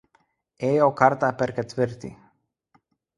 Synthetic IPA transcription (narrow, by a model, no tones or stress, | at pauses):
ɛjokaɾt̪apɛɾkɛt̪vəɾt̪ḭ